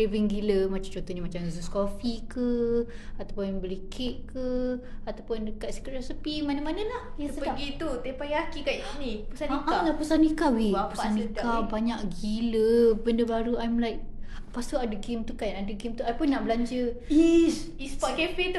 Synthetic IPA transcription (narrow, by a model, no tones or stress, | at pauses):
eviŋɡiləmat͡ʃamt͡ʃont̪oɲimat͡ʃamzəskofikə | at̪apʊnabəlikʰɪʔ̚kə | at̪awpʊndəkat̪sə̥kərɛsəpimanamanãlahjasəəaɡit̪ut̪epaakikaʔisnipusanikaalapusanikawiapuaankabaɲaʔɡiləbəndəbaɾuajmlajʔ | past̪uadəɡemt̪ukajadəɡɪmt̪uajpʊnːaʔbəlaɲd͡ʒəis | ispakefit̪u